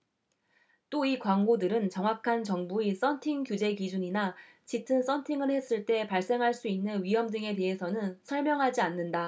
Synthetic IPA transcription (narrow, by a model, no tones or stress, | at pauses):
t͈oikwaŋɡodɯɾɯnt͡ɕʌŋwakʰant͡ɕʌŋbuis͈ʌntʰiŋkjud͡ʑe̞kid͡ʑuɲina | t͡ɕitʰɯns͈ʌntʰiŋɯɭhe̞s͈ɯɭt͈e̞paɭs͈e̞ŋɦaɭs͈uinːɯnɥiɦʌmdɯŋe̞te̞ɦe̞sʰʌnɯnsʰʌɭmjʌŋɦad͡ʑianːɯnda